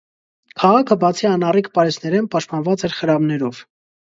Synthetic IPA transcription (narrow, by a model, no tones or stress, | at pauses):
kʰɑʁɑkʰəbɑt͡sʰiɑnɑrikʰpɑɾɛsnɛɾɛnpɑʃt̪̚pɑnvɑt͡sɛɾχəɾɑmnɛɾɔv̥